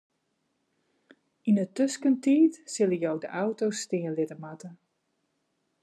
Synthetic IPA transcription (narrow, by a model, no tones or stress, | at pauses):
inətøskəntiːtsɪlˠəjowdə̰ʔawtostɪənlɪtəmatə